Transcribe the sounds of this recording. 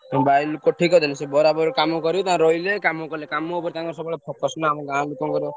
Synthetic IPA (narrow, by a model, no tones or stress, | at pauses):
bajlukːɔʈʰikɔd̪ɔnisebɔɾabɔɾkamɔkɔɾjot̪ãɾɔilekamokɔɾilekamɔopɔɾit̪ãŋkɔɾsɔbɔɭepʰɔkɔsnaːmɔ̃ɡãlukɔmkɔɾjo